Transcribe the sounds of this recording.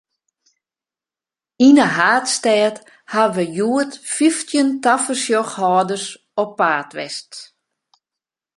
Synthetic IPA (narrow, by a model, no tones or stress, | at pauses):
inəɦaːtstɛːt | haəʋəjuətfiftʰjəntafərsjɔxhɔːdərs | ɔpːaːtʋɛ̰st